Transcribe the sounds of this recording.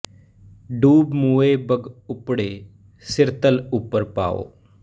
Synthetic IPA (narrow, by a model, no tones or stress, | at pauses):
ɖuːbmuːeːbəɡʊpɽeː | sɪɾt̪əlʊpːəɾpa̰ːo̰ː